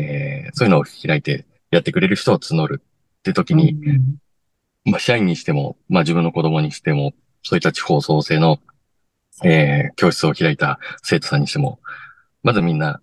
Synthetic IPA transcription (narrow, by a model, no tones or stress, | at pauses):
esoːjɯ̟no̥ːiɾait̪e̞ | jat̪ːe̞kɯ̟ɾe̞ɾɯ̟çi̥t̪o̞at͡sɨno̞ɾɯ̟ː | e̞t̪o̞kʲiɲ̟i | maɕaiɲ̟ːiɕi̥t̪e̞mo̞̰mad͡ʑɨbɯ̟̃nːo̞ko̞d̪o̞mo̞ɲ̟iɕi̥t̪e̞mo̞ | so̞ːit̪ːat͡ɕi̥ho̞ːso̞ːse̞ːno̞ | eːkʲo̞ːɕi̥t͡sɨo̞çiɾait̪ase̞ːt̪o̞sãɲ̟ːiɕi̥t̪e̞mo̞̰ | mazɨmʲĩnːa